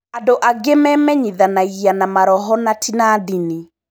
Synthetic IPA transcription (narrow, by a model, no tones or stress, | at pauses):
adoʔaɡemɛmɛɲiðanaianamaɾɔɦɔnatʰinaðini